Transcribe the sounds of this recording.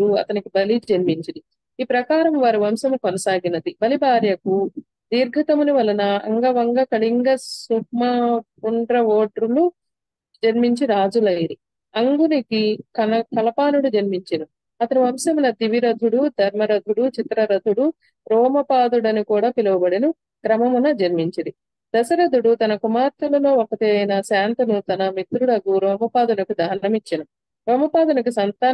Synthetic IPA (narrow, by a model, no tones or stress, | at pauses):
uɐ̰t̪ɐnikibɐlid͡ʒɐnmiɲt͡ʃind̪i | iːpɾɐkaːɾɐmʋaːɾiʋɐmsɐmukɔnɐsaːɡinɐd̪ibɐlibaːɾjɐku | d̪iːɾɡʱɐt̪ɐmuniʋɐlɐnɐɐ̰ŋɡɐʋɐŋɡɐkɐɭiŋɡɐssukmɐpuɳɖɾɐʋoːʈɾulu | d͡ʒɐnmiɲt͡ʃiɾaːd͡ʒulɐjiɾi | ɐŋɡunikikɐɐkɐlɐpaːnuɽud͡ʒɐnmiɲt͡ʃinu | ɐt̪ɐniʋɐmsɐmɐnɐd̪iʋiɾɐd̪ʱuɽud̪ʱɐɾmɐɾɐd̪ʱuɽut͡ʃit̪ɾɐɾɐd̪ʱuɽu | ɾɔːmɐpaːd̪uɽɐnikuːɽaːpilɐʋubɐɽinu | kɾɐmɐmunɐd͡ʒɐnmiɲt͡ʃid̪i | d̪ɐsɐɾɐd̪ʱuɽut̪ɐnɐkumaːɾt̪ʰɐlɐlo̞ːokɐt̪eːɐjnɐsaːnt̪ɐnut̪ɐnɐmit̪ɾuɽɐɡuɾɔːmɐpaːd̪unɐkid̪ʱɐːnɐmit͡ʃːinɐ | ɾɔːmɐpaːd̪unɐk̬isɐnt̪aː